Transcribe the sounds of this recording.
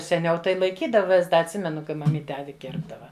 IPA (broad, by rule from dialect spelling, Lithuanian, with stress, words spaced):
sʲɛˈnʲɛʊ tɐɪ lˠɐɪˈkʲiːdɐʋɐ ʋʲɪs ˈdɐ ɐtʲˈsʲɪmʲɛnʊ kɐɪ mɐˈmʲiːtʲɛ ˈɑːʋʲɪ ˈkʲɪrbdɐʋɐ